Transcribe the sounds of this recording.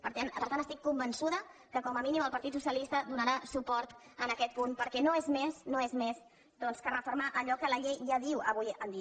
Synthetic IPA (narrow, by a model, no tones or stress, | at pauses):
pəɾt̪anpəɾt̪antəst̪ikːumbənsuðə | kəkɔməminiməlˠpəɾt̪it̪susjəlist̪əd̪unəɾasupɔɾt̪ənəkɛt̪̚punpəɾkɛnoezmesnoezmez | d̪ɔnskərəfuɾmaʔəʎɔkələʎejʒaðiwəβujənd̪i